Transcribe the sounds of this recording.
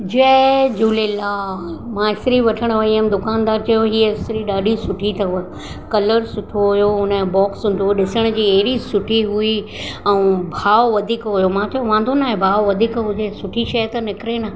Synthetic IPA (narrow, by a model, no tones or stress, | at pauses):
d͡ʑed͡ʑuːlɪlamãɪsɾiʋɐʈʰəɽ̃ʋɐiəmd̪ʊkaːnd̪aːɾt͡ɕɐjoɦiːəɪsɾiɗaːɖʱisʊʈʰit̪ɐ | kɐləɾsʊʈʰoɦʊjoɦʊnəbɔːksɦʊ̃n̆d̪ʱoɗɪsəɽ̃ʊ̆d͡ʑiːɐɦɪɾisʊʈʰiɦui | ɛ̃ũbʱaːʋʋɐd̪ʱiːkɦʊjomãt̪ʰɐjoʋãːnd̪ʱonaːɦebʱaːʋʋɐd̪ʱiːkɦʊd͡ʑesʊʈʰiʃɐjət̪ɐnɪkɪɾena